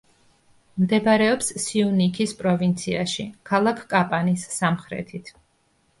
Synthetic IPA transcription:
md̪ɛbaɾɛɔpssiunikʰispʼɾɔvint̪sʰiaʃḭkʰalˠakʰkʼapʼanisːamχɾɛ̰t̪ʰit̪ʰ

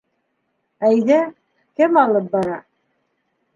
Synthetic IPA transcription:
æjðæ | kɘmɑlˠɤp̚bɑɾɑ

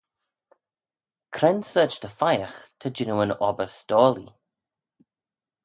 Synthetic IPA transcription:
kʰɾɛnsəːt͡ʃt̪ʰəfajəxt̪ʰəd͡ʒɪnəwənɔbəstɔːlḭ

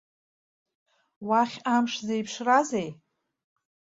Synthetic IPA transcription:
waχʲamʂzejpʰʂrazej

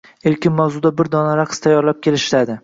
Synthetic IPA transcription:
elkʲɪnmawzʊd̪abɪɾd̪ɒnaɾaqʰst̪ʰajːɒɾlap̚kʲʰelɪʃɪlad̪ɪ

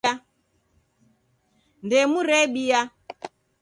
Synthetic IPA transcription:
a | ndɛmuɾɛɓija

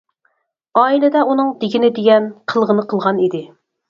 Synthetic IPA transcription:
ɑːilɪd̪ɛunɨŋd̪ɪɡʲinɪd̪eɡʲɛnqʰəlˠʁənɨqʰəlˠʁɑnid̪ɪ

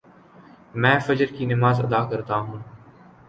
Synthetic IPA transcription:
mɛ̃ːfəd͡ʒəɾkinɪmaːzə̰d̪aːkəɾt̪aɦũː

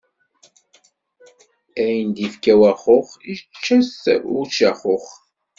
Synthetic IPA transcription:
æjənd̪ifkæwæχoχit͡ʃːæsʊt͡ʃːæχoχ

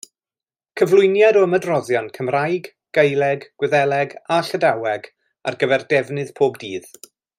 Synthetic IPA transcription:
kʰəvlˠʊjnjadɔəmədrɔðjɔnkʰəmrajɡ | ɡ̥ejlˠɛɡɡ̥wɛðɛlˠɛɡaɬədawɛɡ | a̰rɡəvɛrdɛvnɨðpʰoːbdiːð

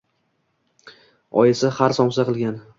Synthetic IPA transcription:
ɒ̰jɪsɪhaɾsɒmsaqɨlˠɡʲan

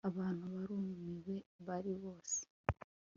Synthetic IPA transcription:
aβaːn̥huβaɾuːmumiβwe̞βaɾiβo̞ːse̥

